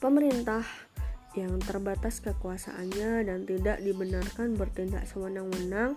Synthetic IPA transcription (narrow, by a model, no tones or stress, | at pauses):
pəməɾint̪ah | jaŋt̪ərbat̪askəkuasa̰ʔanɲadant̪idaʔdibənarkanbərt̪inda̰ʔsəwənaŋwənaŋ